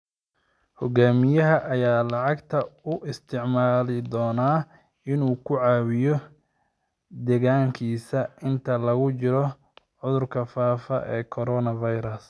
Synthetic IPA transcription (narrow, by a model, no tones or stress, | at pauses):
hɔɡaːmɪjɐɦɐʔɐjaːlɑʕɑɡt̪ʰɐʊʔɪst̪ʰɪʕmaːlɪd̪ɔːnaː | ɪnuːkʰʊʕaːwɪjɔ | d̪ɛɣaːŋkʰiːsɐɪnt̪ʰɐlɐɣʊt͡ʃɪɾɔ | ʕʊðʊrkʰɐfaːfɐʔɛːkʰɔɾɔːnɐvɐjɾɐs